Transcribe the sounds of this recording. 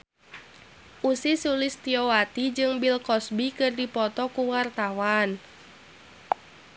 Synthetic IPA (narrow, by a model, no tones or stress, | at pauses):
ʔusisulɪst̪iɔwat̪id͡ʒɨŋbilkɔsbikɨrdipɔt̪ɔkuwart̪awan